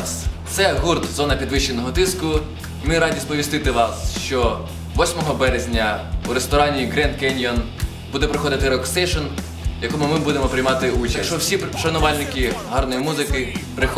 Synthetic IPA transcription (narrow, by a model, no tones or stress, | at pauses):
st̪sɛɦurt̪zɔnɐpʲid̪ʋɪʃt͡ʃːenɔɦɔt̪ɪskʊ | mɪɾɑdʲispɔʋʲist̪ɪt̪ɪʋɑsʃt͡ʃɔ | ʋɔsʲmɔɦɔbɛɾezʲnʲɐuɾest̪ɔɾɑnʲiɡɾɛnd̪kɛnʲjɔn | bud̪ɛpɾɪxɔd̪ɪt̪ɪɾɔkst̪ɛjʃɔn | jɐkɔmʊmɪbud̪emɔpɾʲɪjmɑt̪ɪut͡ʃɐʃt͡ʃɔwsʲiʃɐnʊʋɑlʲnɪkʲiɦɑrnɔjimuzɪkɪpɾɪx